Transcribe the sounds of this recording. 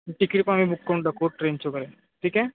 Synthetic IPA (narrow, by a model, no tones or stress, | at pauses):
ʈikiɾpamibukːaũɳɖɖəkʰoʈɾent͡ʃʰokəɾe | ʈʰiːkɛ